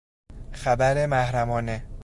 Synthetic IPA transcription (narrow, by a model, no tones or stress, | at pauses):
xæbæɾemæhɾæmɒːne